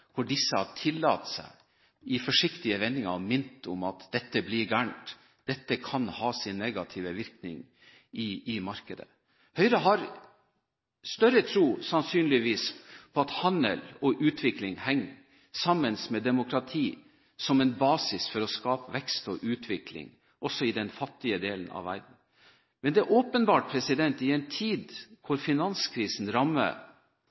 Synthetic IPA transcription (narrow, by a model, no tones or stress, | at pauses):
hɔɖɪsːəhɑʈʰɪlːɑ̰ːt̪sæ̰ɪ | ɪfɔʂɪkt̪ɪəʋɛnːɪŋɑ̰mɪnt̪ɔmɑt̪d̪̥ɛt̪ːəblɪɾɡæːɳʈ | d̪̥ɛt̪ːəkʰɑnhɑːsɪnːeɡɑt̪ʰɪʋəʋɪɾknɪ̰ŋ | ɪɪmɑɾkəd̪ə̰ | hœʏɾɑɦɑɾ | st̪œɾət̪ʰɾuːsɑnsyːnlɪʋiːspʰɔɑt̪hɑnə̰lɔʔʉːt̪ʰʋɪklɪŋhɛŋː | sɑmːənsmɛd̪ɛmʊkɾɑt̪ʰiː | sɔmɛnbɑːsɪsfɔɾɔskɑːpəʋɛkst̪ɔʔʉːt̪ʰʋɪklɪ̰ŋ | ʔɔsɔɪd̪ɛnfɑt̪ːɪəd̪eːlənɑ̰ʋʋæ̰ɾɖn̩ | mɛnd̪ɛæʔoːpənbɑːʈ̚pʰɾɛsɪd̪ɛnt̪ɪɛnt̪ʰiːd̪kʰʊɾfɪnɑnskʰɾiːsn̩ɾɑmːə̰